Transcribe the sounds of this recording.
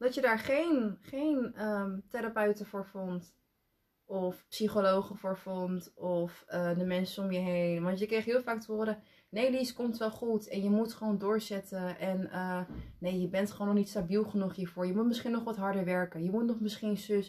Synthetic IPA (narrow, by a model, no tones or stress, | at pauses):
d̥ɔtjədaːɹχeːnχeːnəteɾapœɥtəfoːɹfɔnt | ɔfpsiχoloːxəfoːɹfɔntɔfədəmɛnsəomjəɦeːnʋɔntjəkrejtɦiːlˠfaːk̚tʋoːɾə | neːdiskɔmtʋɛlˠχutɛnjəmutχəʋoːndʊːɹsɛtəʔɛnəneːjəbɛntχəoːnɔχnitstabilˠχənuχhiːɹfʊːɹjəmutmɪsχinɔχʋɔtɦɔɹdəɹʋɛɹkəjəmutnɔχmɪsχinsø